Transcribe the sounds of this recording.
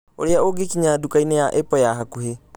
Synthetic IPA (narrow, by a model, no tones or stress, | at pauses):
o̰ɾeaoɡekiɲadukainɛjaʔepɔjaɦakuɦe